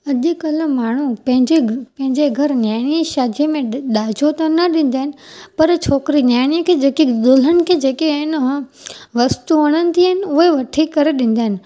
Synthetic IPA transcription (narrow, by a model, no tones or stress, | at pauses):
ɐʄɪ̆kɐl̆maːɳ̤upɐ̃ɦɪ̃ɲd͡ʑepɐ̃ɦɪ̃ɲd͡ʑeɡʱɐɾnjaːɪɽ̃iʃaːd̪iəmẽɗaːd͡ʑʱot̪ɐnɐɗĩːn̆d̪aːɦɪnɪ̆pɐɾt͡ɕʰoːkɾinjaːɪɽ̃ijəkʰeːd͡ʑeːkid̪ʊl̤ənɪ̆kʰeːd͡ʑeːkiɪnɦ | ʋɐst̪uʋɐɽ̃ənɪ̆t̪ʰiəɦɪnɪ̆ʊɦeʋɐʈʰikɐɾeɗĩn̆d̪aːɦɪnɪ̆